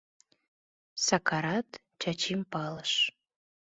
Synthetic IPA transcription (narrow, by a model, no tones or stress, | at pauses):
sɑkʰɑɾɑt̪ | t͡ɕɑt͡ɕimpɑləʃ